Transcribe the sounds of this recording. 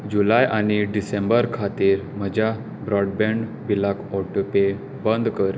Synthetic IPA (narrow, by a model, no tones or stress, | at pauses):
d͡ʑulajʔañiɖisẽmbəɾkʰat̪iːɾm̤əd͡ʑʱja | bɾɔɽbɛ̃ɳɖ | bilakɔʈope | bənd̪ʱkəɾ